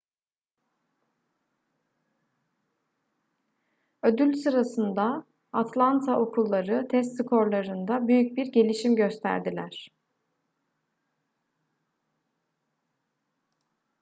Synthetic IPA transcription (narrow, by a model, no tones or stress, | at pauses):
ød̪ylʲsɯɾasɯnd̪a | at̪lˠant̪ʰaʔo̞kʰulˠːaɾɯt̪ʰɛs̬t̪sɯkʰo̞ɾlˠaɾɯnd̪abyjyc̚biɾɟe̞lʲiʃimɟø̞st̪ʰæ̰ɾd̪ilʲæɾ̥